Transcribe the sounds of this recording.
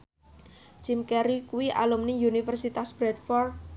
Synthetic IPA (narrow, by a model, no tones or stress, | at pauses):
t͡ʃimkɛɾikuwiʔa̰lumniunifərsit̪asb̥ɾɛt̪fɔr